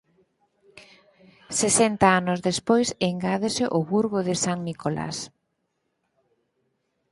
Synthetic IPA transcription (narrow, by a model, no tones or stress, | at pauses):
sesɛnt̪aanʊzðespojseŋɡaðesɪʔoβuɾɣoðɪsaŋnikolʔa̰s